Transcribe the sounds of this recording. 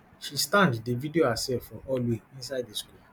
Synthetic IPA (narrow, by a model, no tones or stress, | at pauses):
ʃistãnddevidioasɛfɔʔɔlweĩnsaɪddesku